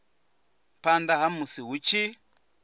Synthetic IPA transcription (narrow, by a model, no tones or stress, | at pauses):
pandaɦamusiɦut͡ʃi